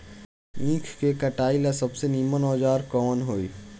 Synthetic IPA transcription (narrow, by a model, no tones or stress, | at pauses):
ĩːkʰkekəʈaːilesɐbseniːmənɔːd͡ʒaːɾkɔːnɦoːiː